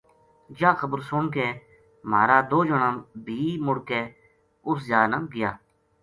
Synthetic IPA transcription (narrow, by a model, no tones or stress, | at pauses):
d͡ʒãːxəbəɾsoːmkeː | maːɾaːd̪oːd͡ʒəɳaːbʱiːmʊɽkeː | ʊszjaːnamɡɪja̰ː